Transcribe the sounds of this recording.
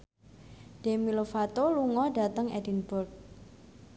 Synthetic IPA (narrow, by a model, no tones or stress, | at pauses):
d̥emilofat̪oluŋɔɖa̤t̪əŋɛdinbʊrk̚